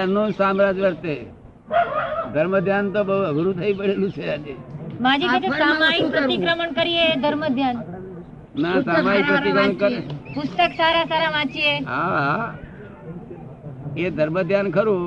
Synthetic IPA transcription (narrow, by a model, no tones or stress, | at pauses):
anũsamɾad͡ʒʋəɾt̪e | d̪ʱəɾməd̪ʱjant̪obəɦuəɡɾũt̪ʰəipəɽelũt͡ʃʰeanemãd͡ʒiet̪eamaipɾəɾt̪ikɾəməɳkəɾied̪ʱəɾməd̪ʱjan | nasamaipɾəid͡ʒ̪ankəɾpʊst̪əksaɾasaɾaʋãt͡ʃieɦaɦa | ed̪ʱəɾməd̪ʱjankʰəɾũ